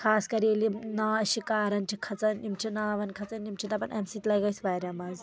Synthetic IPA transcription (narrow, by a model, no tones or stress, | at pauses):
kʰaːskɐɾelinaɐʃikaːɾɐnt͡ʃʰikʰɐt͡sɐnimt͡ʃʰinaːʋɐnkʰɐt͡sɐnːimt͡ʃʰit̪ɐpɐnʔɐmsit̪lɐjɡɐjsʋaːɾʲjaːmaːz